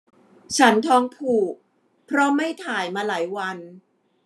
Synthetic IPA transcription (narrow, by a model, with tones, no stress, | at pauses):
t͡ɕʰa˦˥nt̪ʰɔː˧ŋpʰuː˨˩k̚ | pʰɾɔ˦˥ma˥˩jt̪ʰaː˨˩˦jmaː˧laː˩˦jwa˧n